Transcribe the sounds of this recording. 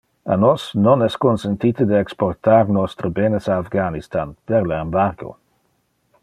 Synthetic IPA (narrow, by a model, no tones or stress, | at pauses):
a̰nɔsnɔnɛskonsent̪it̪əd̪əɛksport̪aɾnɔst̪ɾəbenesaːfɡanist̪anpeɾlaembaɾɡo̰